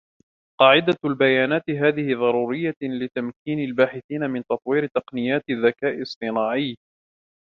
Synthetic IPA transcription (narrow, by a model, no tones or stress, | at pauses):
qɑːʕɪd̪albajaːnaːt̪ɪɦaːðɪhɪðˤɑɾˤuːɾɪjːalɪt̪amkiːnalbaːħɪθiːnamɪnt̪ɑt̪ˤwiːɾɪt̪ɑqnɪjaːt̪ɪðːakaːʔɪsˤɨnaːʕɪj